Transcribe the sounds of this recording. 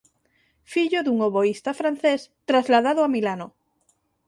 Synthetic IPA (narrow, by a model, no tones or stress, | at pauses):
fiʎoðuŋoβoist̪afɾan̟θest̪ɾazlaðaðoamilano